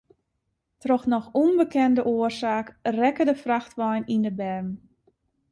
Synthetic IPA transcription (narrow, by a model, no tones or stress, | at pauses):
trɔxnɔxunbəkɛndəʔoərsaːkrɛkədəfraxtʋajnindəbɛrm